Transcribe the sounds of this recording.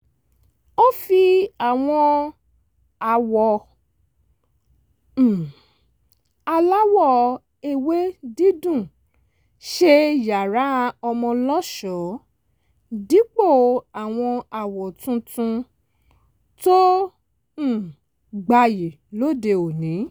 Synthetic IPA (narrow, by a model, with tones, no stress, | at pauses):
o˦fi˧a˨w̃ɔ̃˧ | a˨wɔ˨ | a˧la˦wɔ˦˨ | e˨we˦di˦dũ˦˨ | ʃe˧ja˨ɾa˨˦˧ɔ˧mɔ̃˧lɔ˦ʃɔ˨˦ | di˨˦k͡po˦˨a˨w̃ɔ̃˧a˨wɔ˨tũ˧tũ˧ | tõ˦˨ | ɡ͡ba˧je˨ | lo˦˨de˧o˨nĩ˨˦